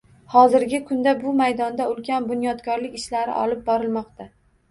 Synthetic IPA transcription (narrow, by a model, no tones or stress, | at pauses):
hɒzɪɾɡʲɪkʰʊnd̪abʊmajd̪ɒnd̪aʊlkʲʰanbʊnjɒd̪kʰɒɾlɪkʲɪʃlaɾɪ̰ʔɒ̰lɪp̚bɒɾɪlmɒqt̪ʰa